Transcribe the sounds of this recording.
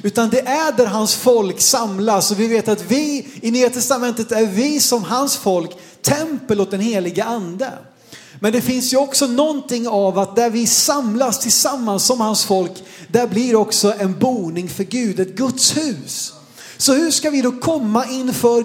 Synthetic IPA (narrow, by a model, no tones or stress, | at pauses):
ʉ̟ːt̪and̪ɛʔæɖæɾɦansfɔlksamlasɔvɪveːt̪at̪vɪɪnyːat̪ʰɛst̪amɛnt̪ət̪æɾvɪsɔmɦansfɔlk | t̪ʰɛmpəloːt̪̚d̪ɛnheːlɪɡəʔand̪ə | mɛnd̪ɛfɪnsjɵɔksɔnɔnt̪ɪŋːavat̪̚d̪æɾvɪsamlast̪ʰɪlsamːansːɔmhansfɔlkd̪æɾblɪɾɔksɔʔɛnbuːnɪŋfœɾɡʉ̟ːd̪ɛt̪̚ɡɵt̪shʉ̟ːsː | ɔhɵ̟ʂkavɪd̪ɔkʰɔmːaʔɪnːfœɾ